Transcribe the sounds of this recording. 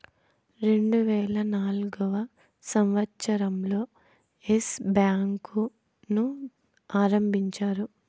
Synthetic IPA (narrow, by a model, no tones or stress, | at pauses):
ɾe̞ɳɖuʋɛːɭɐnaːlɡɐʋɐ | sɐmʋɐt̪ːt͡ʃɐɾɐmlo̞ː | esbjaːŋku | nu | aːɾɐmbʱiɲt͡ʃaːɾu